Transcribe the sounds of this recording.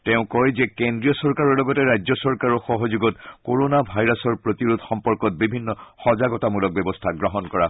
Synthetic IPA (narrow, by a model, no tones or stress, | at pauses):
teʊ̃kɔjzɛkendɹiɔsɔɹkaɹɔɹlɔɡɔtɛɹajzɔsɔɹkaɹɔxɔɦɔzuɡɔtkoɹonabʱajɹasɔɹpɹotiɹutʰxɔmpɔɹkɔt̚bibʱinːɔxɔzaɡɔtamulɔk̚bɛbɔstʰaɡɹɔɦɔnkɔɹa